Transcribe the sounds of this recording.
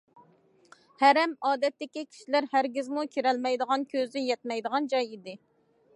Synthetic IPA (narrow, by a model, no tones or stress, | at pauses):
hæɾɛmɑːd̪ɛt̪ːɪkʲikʲʰi̥ʃilæɾhæɾɡʲɪzmukʲʰiɾɛlmɛjd̪əʁɑnkʲʰøzɪjɛt̪̚mɛjd̪əʁɑnd͡ʒɑjid̪ɪ